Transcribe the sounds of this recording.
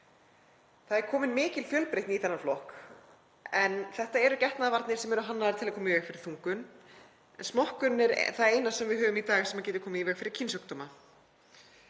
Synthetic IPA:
θaðɛɾkʰɔːmɪnmɪːcɪlfjœlpɾejt̪niθɛnːaflɔhk | ɛnθɛht̪aɛɾʏcɛht̪naðvaɾt̪nɪɾ̥sɛmɛɾʏɦanːaðaɾt̪ʰɪlakʰɔːmaivɛxfɪɾɪ̥ɾ̥θuŋkʏn | ɛnsmɔhkʏnɪɾ̰θaðeːjnassɛmvɪðɦœːvʏmit̪aːɣɪsɛmacɛːt̪ʏ̥ɾkʰɔːmaivɛkfɪɾɪɾ̥cʰinsœk̚t̪ɔma

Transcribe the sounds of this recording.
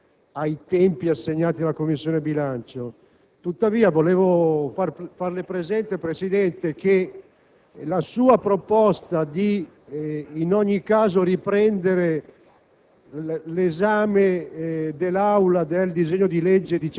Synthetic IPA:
ajt̪ɛmpiasːeɲːaːt̪ialakomːisːjoːnebilant͡ʃo | t̪ut̪ːaviːavoleːvofarfarlepɾezɛnt̪epɾesid̪ɛnt̪ek̟e | lasuːapɾopɔst̪ad̪iː | nɔɲːikːaːzoɾipɾɛnd̪eɾe | lezaːmed̪elːawlad̪eld̪izeɲːod̪iled͡ʒːed̪i

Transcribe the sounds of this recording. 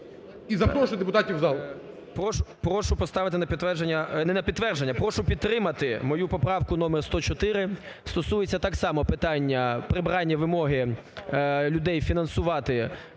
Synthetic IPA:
izɐt̪ɔʃɔd̪epʊt̪ɑtʲiwzɑlˠ | pɾɔʃʊpɾɔʃʊpɔst̪ɑʋɪt̪ɪnɐpʲid̪t̪ʋɛrʒenʲːɐnɛnɐpʲid̪t̪ːʋɛrʒenʲːɐpɾɔʃʊpʲid̪t̪ɾɪmɐt̪ɪmɔjupɔpɾɑwkʊnɔmɛrst̪ɔt͡ʃɔt̪ɪɾɪ | st̪ɔsujet͡sʲːɐt̪ɑksɑmɔpɪt̪ɑnʲːɐpɾɪbɾɑnʲːɐʋɪmɔɦɪ | lʲʊd̪ɛjfʲinɐnsʊʋɑt̪ɪ

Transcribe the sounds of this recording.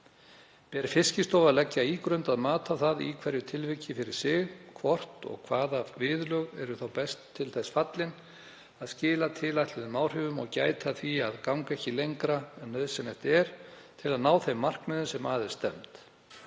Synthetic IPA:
pɛɾfɪscɪst̪oːwvaðlɛcːaiːkɾœnt̪aðmaːt̪aθaðḭkʰvɛɾjʏt̪ʰɪlvɪcɪfɪɾɪɾ̥sɪɣkʰvɔr̥t̪ɔ̰ɣkʰvaːðavɪðlœɣɛ̰ɾʏθawpɛst̪ʰːɪlθɛsfat̪lɪn | aðscɪːlat̪ʰɪlajht̪lɛðʏmaːwr̥ʏːvʏmɔɣca̰ːjt̪ʰaθiaðkawŋkaɛhcɪlejŋkɾaɛnːœðsɛmɛft̪ɛɾ̥t̪ʰɪlaðnaːwθemːar̥kmʏðʏnsɛmaːðɪ̥st̪ɛmt̪

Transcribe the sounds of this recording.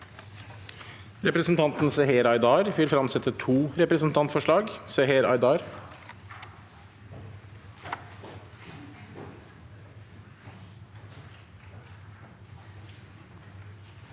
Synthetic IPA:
ɾɛpɾəsn̩t̪ʰɑnt̪nseheːɾɑɪd̪ɑːɾʋɪlfɾɑmsɛt̪ːət̪ʰuːɾɛpɾəsn̩t̪ʰɑnt̪fɔʂɭɑːɡseheːɾɑ̰ɪd̪ɑːɾ

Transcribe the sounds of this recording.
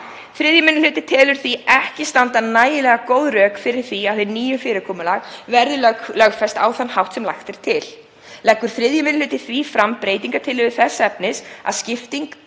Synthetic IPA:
θɾɪðjʏmɪnɪlʏːt̪ɪt̪ʰɛːlʏɾ̥θiɛhcɪst̪ant̪anaːjɪlɛɣakoːwðɾœːkfɪɾɪɾ̥θiawθeniːjʏfɪːɾɪkʰɔːmʏlaɣvɛɾðʏlœklœɣfɛst̪a̰ːwθanːhawht̪sɛmlajxt̪ɪɾ̥t̪ʰɪl | lɛhkːʏɾ̥θɾɪðjɪmɪnl̥ʏːt̪ɪθvifɾampɾeːjt̪iŋkat̪ʰɪlʏvɪθɛsːaɛpnɪsa̰ðscɪft̪iŋk

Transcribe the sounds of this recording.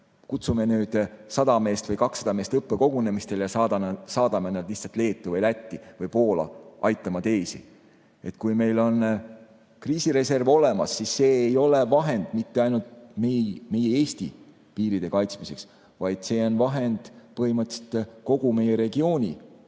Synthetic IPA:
kut̪sume̞nyːd̪̥sɑd̪̥ɑme̞ːst̪vɤjkɑksɑd̪̥ɑme̞ːst̪ɤpːe̞ko̞ɡ̥une̞mist̪e̞ljɑsɑːd̪̥ɑmenɑd̪̥lihtsɑlt̪le̞ːt̪ːˑuvɤjlæt̪ˑːivɤjpo̞ːlɑ̰ʔɑ̰jt̪ːˑɑmɑt̪eːsḭ | e̞t̪kujme̞jlo̞n | kriːsiɾe̞se̞rvo̞le̞mɑ̰sːisːe̞ːjo̞le̞vɑɦe̞nd̪̥mit̪ːe̞ɑjnult̪mejme̞jee̞ːst̪i | piːɾid̪e̞kɑjt̪smise̞ks | vɑjd̪̥se̞ːo̞nvɑɦe̞nd̪̥pɤhimɤt̪ːˑset̪ko̞ɡ̥ume̞jeɾe̞ɡ̥io̞ːnʲi

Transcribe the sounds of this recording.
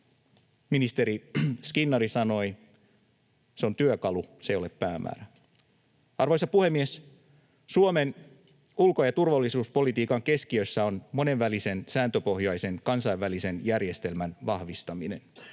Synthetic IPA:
minist̪e̞ɾiskinːɑɾisɑno̞i | seo̞nt̪yøkɑlusejo̞leppæːmʔæ̰ːɾæ | ɑrʋojsɑpuhe̞mːies | suome̞n | ulko̞jɑt̪urʋɑlːisuːspo̞lit̪iːkɑŋke̞skiø̞sːæo̞nmo̞ne̞ʋːælise̞nsæːnt̪øpo̞hjɑjse̞nkɑnsɑjʋʋælise̞njærje̞st̪e̞lmænʋɑhʋist̪ɑmine̞n

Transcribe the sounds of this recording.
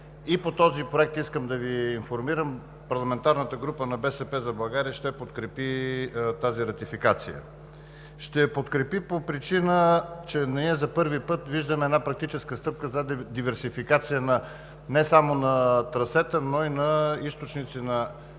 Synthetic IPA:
ipot̪ɔzipɾoɛk̚t̪iskəmd̪ɐviːnfoɾmiɾəm | pɐɾlˠɐmɛnt̪aɾnət̪əɡɾupənɐbɛsɛpɛzɐbɐɡaɾiəʃt̪ɛpot̪kɾɛpit̪aziɾɐt̪ifikat̪sijə̰ | ʃt̪ɛpot̪kɾɛpipopɾit͡ʃinət͡ʃɛnɐniɛzɐpɤɾvipɤt̪viʒd̪əmɛɛd̪napɾɐk̚t̪it͡ʃɛskəst̪ɤp̚kəzɐd̪ivɛɾsifikat̪sijənɐ | nɛsamonɐt̪ɾɐsɛt̪ənoinɐist̪ot͡ʃnit̪sinɐ

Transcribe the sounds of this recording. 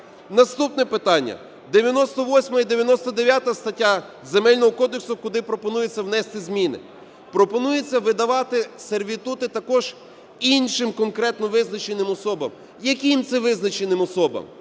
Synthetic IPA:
nɐst̪upnɛpɪt̪ɑnʲːɐ̰ | d̪eʋʲjɐnɔst̪ɔʋɔsʲmɐid̪eʋjɐnɔst̪ɔd̪eʋʲjat̪ɐst̪ɐtʲːa | zemɛlʲnɔɦɔkɔd̪eksʊkʊd̪ɪpɾɔpɔnujet͡sʲːɐwnɛst̪ɪzʲmʲinɪ̰ | pɾɔpɔnujet͡sʲːɐʋɪd̪ɐʋɑt̪ɪserʋʲit̪ut̪ɪt̪ɐkɔʒ | inʃɪmkɔnkɾɛt̪nɔʋɪznɐt͡ʃenɪmɔsɔbɐ̰m | jɐkʲimt̪sɛʋɪznɐt͡ʃenɪmɔsɔbɐ̰m

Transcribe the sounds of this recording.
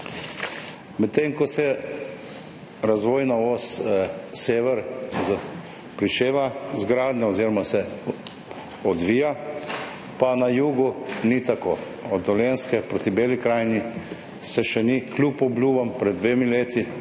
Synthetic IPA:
mɛt̪ːeŋkɔsɛ | ɾazʋoːjnaoːsseːʋɛɾz | pɾit͡ʃeːʋazɡɾaːd̪nʲɛɔzeːɾɔmasɛ | ɔd̪ʋiːja | panajuːɡunit̪akoː | ɔd̪ɔlʲenskɛpɾot̪ibeːlikɾaːjni | sɛʃɛniklʲuːpɔblʲuːbampɾɛd̪d̪ːʋeːmileːt̪i

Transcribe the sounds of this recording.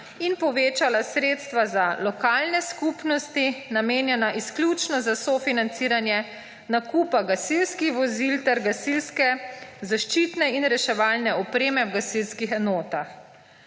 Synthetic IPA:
inpɔʋeːt͡ʃalasɾeːt̪st̪ʋazalɔkaːlnɛskupnɔst̪inameːnjɛnaʔisklʲjut͡ʃnɔzasɔfinant̪siːɾanjɛ | nakuːpaɡasilskixʋɔzilt̪ɛɾɡasilskɛzaʃt͡ʃit̪nɛinɾɛʃɛʋaːlnɛɔpɾeːmɛwɡasilskixɛnɔːt̪ax

